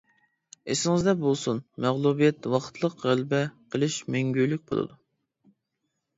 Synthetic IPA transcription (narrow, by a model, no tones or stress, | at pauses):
esɪŋɪzd̪ɛbolˠsunmæʁlˠubijɛt̪wɑχt̪ʰlˠəqʁælbɛqʰəlˠɨʃmɛŋɡʲyjlyk̚ʲbo̰lˠɨ̰d̪u